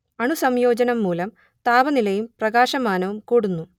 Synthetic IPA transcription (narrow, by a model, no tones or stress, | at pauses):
ɐɳusɐmjo̞ːd͡ʑɐnɐmːuːlɐm | t̪aːbɐnilɐjumprɐɡaːɕɐmaːnɐʋumkuːɽunːu